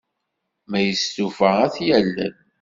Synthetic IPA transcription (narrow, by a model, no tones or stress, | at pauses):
mæjəstufəæθjælːə̰n